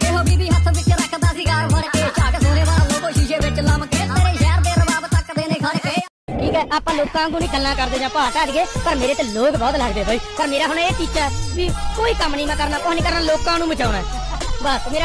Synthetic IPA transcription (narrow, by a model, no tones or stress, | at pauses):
eɦobiːbiːɦət̪ʰmɪt͡ʃɾəkʰːd̪aːsiːkaːɾəet͡ʃaːksoːneːbaːlãːlokoːʃiʃeːbɪt͡ʃləmkːt̪eːɾeːʃɛːɾd̪eːɾəbaːbt̪əkd̪eːneːkʰe | ʈʰiːkɦɛːʔaːpãːloːkãːkũːnĩːɡəlːãːkəɾd̪eːd͡ʒãːpaaːt̪aːd͡ʒɡeːpəɾmeːɾeːt̪eːloːkbɔːt̪ləɡd̪eːbaːiːpəɾmeːɾaːɦʊɽeːt͡ʃiːt͡ʃaːɛːʋiːkoːiːkəmːniːmãːkəɾnaːkoːnĩːkəɾnaːloːkãːnũːbət͡ʃaːɽaː | bəsmeːɾa